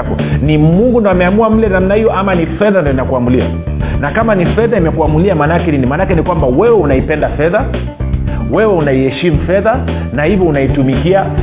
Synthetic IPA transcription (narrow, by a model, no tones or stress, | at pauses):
kɔnimuŋɡundaamɛamuam̩lɛnam̩nahijɔʔamanifɛðandijɔinakuamulia̰ | nakamanifɛðaimɛkuamuliamanaakɛninimaːnakɛnikwambawɛwɛunaipɛndafɛða | wɛwɛunaihɛʃimufɛða | nahivjɔunaitumikia